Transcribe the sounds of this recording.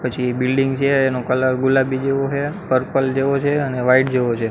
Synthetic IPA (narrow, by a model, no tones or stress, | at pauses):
pət͡ʃʰibilɖiŋɡt͡ʃʰeːnokələɾɡulabid͡ʒeʋoɦepəɾpəld͡ʒeʋot͡ʃʰeəneʋaiʈ̚d͡ʒeʋot͡ʃʰe